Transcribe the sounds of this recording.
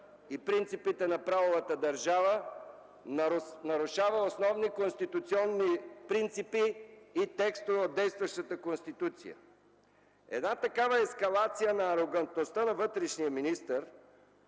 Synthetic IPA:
ipɾint̪sipit̪ɛnɐpɾavovət̪əd̪ɐɾʒavə | nnɐɾʊʃavəosnɔvnikonst̪it̪ʊt̪siɔnːipɾint̪sipiːt̪ɛkst̪ovod̪̚ːɛjst̪vəʃt̪ət̪əkonst̪it̪ut̪sḭjə̰ | ɛ̰d̪nat̪ɐkavəɛskɐlˠat̪sijənɐːɾoɡɐnt̪nost̪ənɐvɤt̪ɾɛʃnijəminist̪əɾ

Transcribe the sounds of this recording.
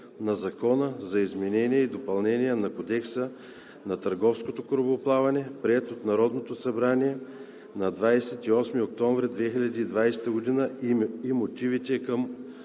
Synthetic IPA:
nɐzɐkɔnəzɐizmɛnɛnʲiɛid̪opɐlˠnɛniɛnɐkod̪ɛksə | nɐt̪ɐɾɡɔfskot̪okɾoboplˠavɐnɛpɾiɛt̪ot̪nɐɾɔd̪not̪osɐbɾaniɛ | nɐd̪vajsɛt̪iɔsmiok̚t̪ɔɱvɾid̪vɛxilʲɐd̪iːd̪vajsɛ̥t̪əɡod̪inəimot̪ivit̪ɛkəm

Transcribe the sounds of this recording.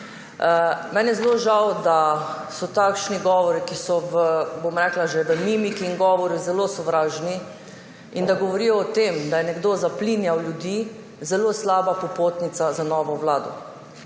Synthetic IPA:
mɛnjɛzloʒawd̪asɔt̪akʃniɡɔːʋɔɾikisɔʋəbomɾɛklaʒeʋəmimikiːŋɡɔːʋɔɾjuzɛlosɔʋɾaːʒni | ind̪aɡɔʋɔɾijɔːt̪emd̪ajɛnɛɡd̪ozaplinjawljud̪iː | zɛloslaːbapɔpoːt̪nit̪sazanɔːʋɔwlaːd̪ɔ̰

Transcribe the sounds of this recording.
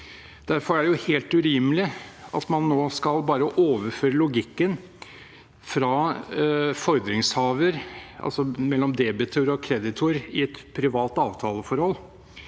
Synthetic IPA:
d̪̥æɾfɔɾæɖɛjʊheːlt̪ʉɾɪːmlɪɑ̰t̪mɑnːoːskɑlbɑːɾəʔoːʋəɾføːɾəlʊɡɪkːən | fɾɑ | fɔɾd̪ɾɪŋshɑːʋəɾʔɑ̰lsɔmɛlːɔmd̪ɛbɪt̪ʰøɾɔkʰɾɛd̪ɪt̪ʰʊɾɪɛt̪pʰɾɪʋɑːt̪ɑːʋt̪ʰɑːləfɔɾhɔlː

